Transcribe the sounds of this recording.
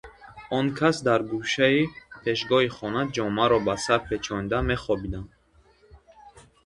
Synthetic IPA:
ɔŋkʰasd̪aɾɡuʃaipʰeʃɡɔɦiχɔnad͡ʒɔmaɾɔbasaɾpʰet͡ʃʰɔnd̪ame̞χɔbid̪an

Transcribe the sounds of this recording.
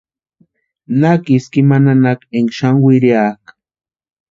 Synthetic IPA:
nakɪskɪmananakeŋʃaŋwɪɾjak

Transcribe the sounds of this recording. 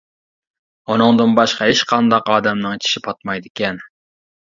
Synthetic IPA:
onɨŋd̪ɨnbɑʃqɑeʃqʰɑnd̪ɑqɑːd̪ɑmnɨŋt͡ʃʰi̥ʃipʰɑt̪̚mɑjd̪ɪkʲɛn

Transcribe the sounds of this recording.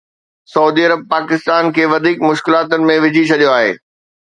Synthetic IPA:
sɐuːd̪iɐɾəb̚paːkɪst̪aːnkʰeːʋɐd̪ʱiːkmʊʃkɪlaːt̪ʊnɪ̆mẽʋɪd͡ʑʱit͡ɕʰɐɗijoaːɦḛː

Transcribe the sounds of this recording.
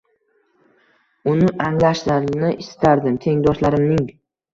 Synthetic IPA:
ʊnɪʔaŋlaʃlaɾnɪʔɪst̪ʰaɾd̪ɪmt̪ʰe̞ŋd̪ɒʃlaɾɪmnɪŋ

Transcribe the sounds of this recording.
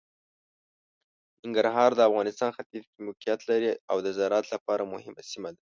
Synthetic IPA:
nɪŋɡaɾɦɑɾd̪əafɣɑnɪst̪ɑnxat̪izkimʊqijat̪laɾiawd̪əzaɾɑt̪lapɑɾamʊhɪmasimad̪a

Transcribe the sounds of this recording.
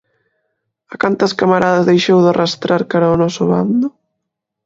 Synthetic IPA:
akant̪ɐskamaɾaðɐzðejʃewðarɐst̪ɾaɾkaɾaʊnɔsʊβa̰nd̪ʊ

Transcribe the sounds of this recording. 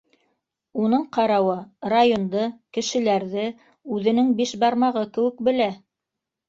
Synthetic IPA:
unɤɴqɑɾɑwɤrajond̪ɤkɘ̆ʃɘ̆læɾðɘ | ʉðɘ̆nɘŋbiʃbɑɾmɑʁɤkɘ̆wɘ̆k̚bɘ̆læ

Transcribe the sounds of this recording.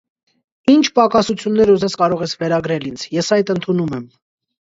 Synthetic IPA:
int͡ʃʰpɑkɑsut͡sʰjunːɛɾuzɛskɑɾɔʁɛsvɛɾɑɡɾɛlind͡zʰjɛsɑjt̪ənt̪ʰunumɛm

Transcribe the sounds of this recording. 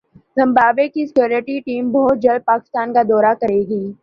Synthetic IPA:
zɐ̃mbaːbekisɪ̥kjoːɾɪʈiʈiːmbʱɔːt̪̚d͡ʒɐl̚paːkɪ̥st̪aːnkad̪ɔːɾakɐɾeːɡiː

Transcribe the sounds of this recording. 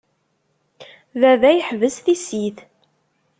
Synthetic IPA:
ðæðæjəħvəsθisiθ

